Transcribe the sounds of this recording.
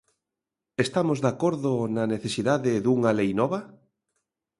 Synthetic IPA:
est̪amozðakoɾðonaneθesiðaðɪðuŋalejnɔβɐ

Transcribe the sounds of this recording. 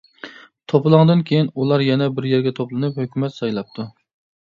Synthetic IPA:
t̪ʰopɨlˠɑŋd̪ɨnkʲʰejinulˠɑɾjɛnɛbɪɾjɛɾɡʲɛt̪ʰoplˠɨnɨphøkʲymɛt̪sɑjlˠɑp̚t̪ʰu

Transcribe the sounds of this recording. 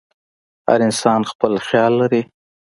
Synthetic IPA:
ha̰ɾɪnsɑnxpəlxjɑlːaɾi

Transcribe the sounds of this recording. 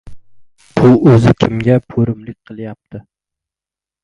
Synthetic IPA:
b̥ʊɵzɪkʲʰɪmɡʲapʰɵɾɪmlɪk̚ʲqʰɨlˠjap̚t̪ʰɪ

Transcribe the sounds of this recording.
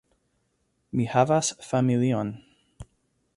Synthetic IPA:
mihavasfamilion

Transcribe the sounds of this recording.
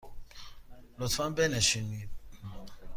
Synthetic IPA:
lɔtãbɛnɛ̃ʃinĩ

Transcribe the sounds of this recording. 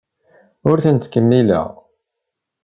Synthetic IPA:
ʊɾθənt̪ːkəmːilə̰ʁ

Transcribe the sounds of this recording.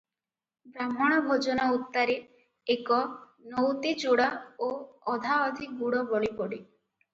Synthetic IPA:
bɾamɔɽ̃ɔbʱod͡ʒɔnaut̪ːaɾe | ekɔ | nɔwt̪it͡ʃuɽaoɔd̪ʱaɔd̪ʱiɡuɽɔbɔɭipɔɽi

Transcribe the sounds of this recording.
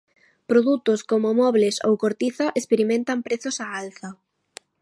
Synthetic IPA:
pɾoðut̪ʊskomomɔβleso̰wkoɾt̪iθɐʔespeɾimẽnt̪ɐmpɾeθʊsaalθɐ

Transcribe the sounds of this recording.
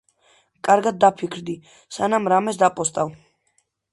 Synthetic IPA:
kʼaɾɡad̪̚ːapʰikʰɾd̪i | sanamɾamɛsd̪apʼɔst̪ʼaw

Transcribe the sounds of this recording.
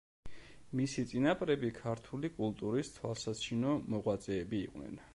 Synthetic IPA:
misit̪sʼinapʼɾɛbikʰaɾt̪ʰulikʼulˠt̪ʼuɾist̪ʰwalˠsat͡ʃʰinɔmɔʁwat̪sʼɛːbiːqʼwnɛ̰n

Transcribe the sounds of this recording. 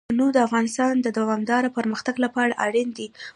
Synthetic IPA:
nud̪əafɣɑnɪst̪ɑnd̪əd̪awɑmd̪ɑɾapəɾməxt̪aɡlapəaɽaʔaɽind̪i

